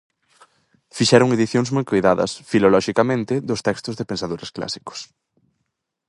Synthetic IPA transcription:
fiʃɛɾʊŋeðiθjõŋzmojkojðaðɐ̰sfilolɔʃikamẽnt̪ɪðʊst̪ɛkst̪ʊzðɪpensaðoɾɐskla̰si̥kʊ̥s

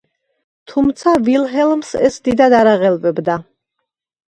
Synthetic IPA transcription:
t̪ʰumt̪sʰavilɦɛlˠmsɛ̰sd̪id̪ad̪aɾaʁɛlˠvɛbd̪a

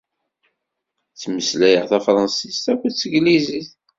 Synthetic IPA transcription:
t͡sːməslæjəʁθæfɾˤɑnsist̪ækʷːət͡sːəɡliziθ

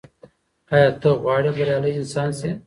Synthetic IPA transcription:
aːjɑːt̪əɣwɑːɽebɐɾjɑːləjɪnsɑːnse

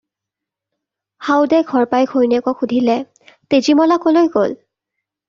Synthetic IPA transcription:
hawdɛɡʱɔɹpajɡʰʱojnɛkɔxudʱilɛ | tezimɔlakɔlojɡo̰l

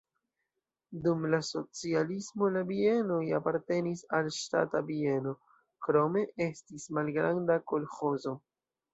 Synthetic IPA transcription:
dumlaso̞t͡sialismo̞labie̞nojapaɾte̞nisalʃta̰tabie̞no̞ | kɾo̞me̞e̞stismalɡɾandako̞lxo̞zo̞

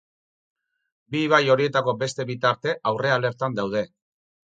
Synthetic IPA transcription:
biβ̞ajo̞ɾie̞t̪ako̞be̞st̪e̞βit̪aɾt̪e̞ʔawre̞ale̞ɾt̪and̪awð̞e̞

